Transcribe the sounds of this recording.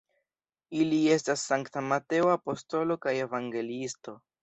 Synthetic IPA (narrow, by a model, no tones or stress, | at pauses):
ilie̞stasːaŋktamate̞oapo̞sto̞lo̞kaje̞vaŋɡe̞listo̞